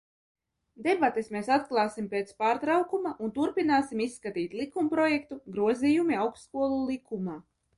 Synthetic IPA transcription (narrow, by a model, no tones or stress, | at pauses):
d̪ebat̪esmeːsat̪klˠaːsimpet̪spaːɾt̪ɾawkumaʔunt̪uɾpinaːsimisːkat̪iːt̪lˠikumpɾɔjɛkt̪uɡɾuɔzijumiawkskuɔlˠulˠikʰumaː